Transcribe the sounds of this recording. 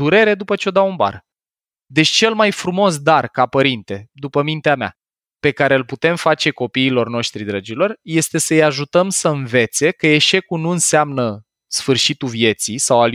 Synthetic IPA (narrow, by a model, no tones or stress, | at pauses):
uɾe̞ɾe̞d̪upət͡ʃeo̞d̪aunba̰r | d̪e̞t͡ʃt͡ʃe̞lmajfɾumo̞s̬d̪arkapəɾint̪e̞d̪upəmint̪eamea̰ | pe̞kaɾe̞ɨlput̪e̞mfat͡ʃe̞ko̞piːlo̞rno̞ʃt̪ɾid̪ɾəd͡ʒilo̞rje̞st̪e̞səjaʒut̪əmsəɨnve̞t̪se̞kəe̞ʃe̞kunuɨnseamnə | sfɨrʃit̪uvje̞t̪sisawal